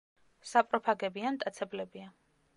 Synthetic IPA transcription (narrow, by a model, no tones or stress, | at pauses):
sapʼɾɔpʰaɡɛbianmt̪ʼat̪sʰɛblɛbia